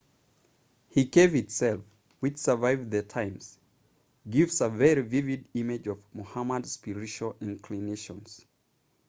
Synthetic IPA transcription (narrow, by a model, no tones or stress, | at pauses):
hiɡeɪvɨtsɛlˠf | wɨt͡ʃsə˞vaɪvðətʰãɪ̃mz̥ | ɡɪvzəvɛɹivɪvɪdimɪd͡ʒʌvmɔhaməd̥spɪɹɪt͡ʃuəlˠɪ̃nkʰlineʃə̃nz̥